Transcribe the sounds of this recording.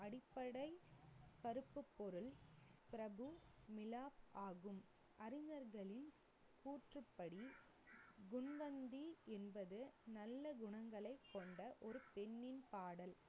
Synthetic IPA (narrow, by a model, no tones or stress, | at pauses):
ɐɽɪpːɐɽɐɪpɐɾɯpːɯpːɔɾɯlpɪɾɐbɯmɪlaːpʔaːɣɯm | ʔɐɾɪɲɐɾɣɐɭɪn | kuːʈrɯpːɐɽi | ɡʊɳʋɐnd̪iʔɛnbɐðɯnɐlːɐɡʊɳɐŋɡɐɭɐɪkːɔɳɖɐʔɔɾɯpɛnːɪnpaːɽɐl